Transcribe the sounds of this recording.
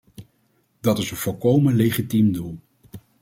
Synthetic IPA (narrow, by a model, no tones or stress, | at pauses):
dɑtɪsənv̥ʊlˠkowmənlejχitimdulˠ